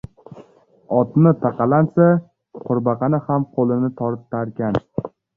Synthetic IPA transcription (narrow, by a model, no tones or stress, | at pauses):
ɒt̪nɪt̪ʰaqɑlansa | qʰʊɾbɑqɑnɪhamqʰolˠɪnɪt̪ʰɒɾt̪ʰːaɾkʲan